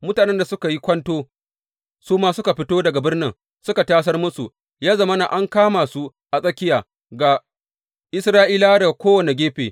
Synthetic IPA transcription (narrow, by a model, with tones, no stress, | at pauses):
mʊ˦taː˨nɛ˦nda˨sʊ˦ka˨ji˦kʷɐ˦ntoː˦ | suː˦maː˦sʊ˦ka˨ɸɪ˦toː˦dɐ˨ɡa˨bɪ˦rnɪ˦ŋ | sʊ˦ka˨taː˦s̬ɐ˦rmʊ˦su˨ | jaː˦zɐ˦mɐ˦na̰˨ʔa˦ŋkaː˦ma˨su˦ | ʔa˨sʼɐ˦kʲɪ˦jaː˨ | ɡa˨ | ʔɪ˦sɾaː˦ʔiː˦laː˦da˨kʷoː˦wɐ˨ne˨ɡʲeː˦ɸeː˨